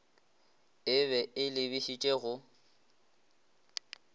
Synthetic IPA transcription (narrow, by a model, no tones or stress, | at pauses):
ɪβɛɪlɪbiʃit͡ʃʼeɣʊ